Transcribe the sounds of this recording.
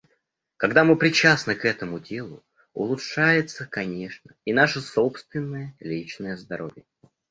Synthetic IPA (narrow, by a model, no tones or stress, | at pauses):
kɐɡd̪amɨpɾʲɪt͡ɕasnɨkɛt̪əmʊdʲe̞lˠʊ | ʊ̰lˠʊtʂajɪt̪səkɐnʲe̞ʂnəinaʂəsopst̪vʲɪnːəjəlʲit͡ɕnəjəzd̪ɐɾo̞̰vʲjə